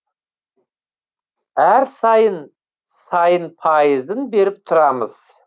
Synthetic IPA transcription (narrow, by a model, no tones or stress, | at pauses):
æɾsɑjən | sɑjənpʰɑjəzənbe̞ɾɪp̚t̪ʰʊɾɑməz̥